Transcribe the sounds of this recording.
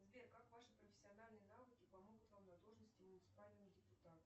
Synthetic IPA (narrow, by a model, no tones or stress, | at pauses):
zbʲerkakvaʂɨpɾəfʲɪ̥sʲɪɐnalʲnɨjənavɨkʲɪpɐmo̞ɡʊt̪vamnɐd̪oʐnəsʲtʲɪmʊnʲɪt̪sɨ̥palʲnəvəxdʲɪpʊt̪at̪ə